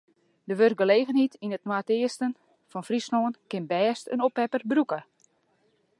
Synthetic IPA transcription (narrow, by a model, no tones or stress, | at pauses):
dəʋør̚ɡəleːɣənhitinətnwatɪəstən | fɔnfrisnoːənkɪnbɛːstə̰nopɛpərbrukə